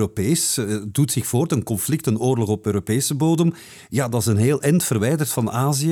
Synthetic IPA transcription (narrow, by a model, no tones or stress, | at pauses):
opeːsdutsɪxfoːrtənkɔnflɪk̚tənoːrlɔɣɔpøːɾopeːsəboːdəm | jaːdɑsənɦeːlˠʔɛntfərʋɛjdərtfɑnaːziə